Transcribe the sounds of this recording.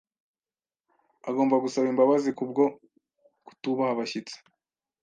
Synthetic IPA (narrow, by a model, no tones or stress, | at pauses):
aɡo̞ːmbaɡusaβimbaβazikubɡo̞ | ku̥tuβahaβaçit͡se̥